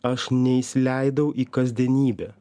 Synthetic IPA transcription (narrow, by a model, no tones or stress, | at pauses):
ɐʃnʲɛisʲlʲæɪd̪ɐʊʔiːkɐzʲd̪ʲiɛnʲiːbʲɛ